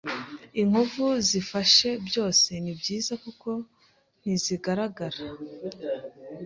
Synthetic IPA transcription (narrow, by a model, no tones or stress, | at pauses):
iŋ̥uvuzifaʃe̞bjo̞ːse̞nibɟiːzakuko̞ | n̥iziɡaɾaɡaɾa